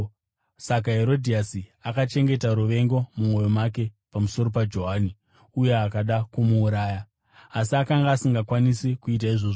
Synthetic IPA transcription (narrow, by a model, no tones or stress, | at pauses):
sak̬aɦe̞ɾo̞dʱiasiakat͡ʃe̞ŋɡe̞taɾuʋe̞ŋɡo̞mumo̞jo̞mak̬e̞pamuso̞ɾo̞pad͡ʒo̞ɦaːni | uje̞akaɗakumuːɾaːjaː | siakaŋɡaːsiŋɡakwanisikuit̬aiʐo̞ːʐo